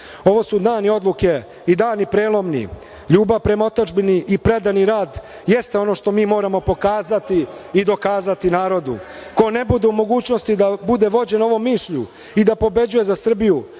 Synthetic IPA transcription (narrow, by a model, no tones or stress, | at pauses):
o̞ʋo̞sud̪naːnio̞d̪lˠuke̞ | id̪aːnipɾeːlˠo̞mnḭ | ʎuːbaʋpɾe̞maot̪ad͡ʒbiniʔipɾe̞d̪aniɾaːd̪ | jest̪e̞o̞no̞ʃt̪o̞miːmo̞ːɾamo̞po̞kaːzat̪iid̪o̞kaːzat̪inaːɾo̞d̪ṵko̞ne̞bud̪eumo̞ɡuːt͡ɕno̞st̪id̪abud̪e̞ʋo̞d͡ʑe̞noʋo̞mːiːʃʎu | id̪apo̞be̞d͡ʑuje̞zasr̩biju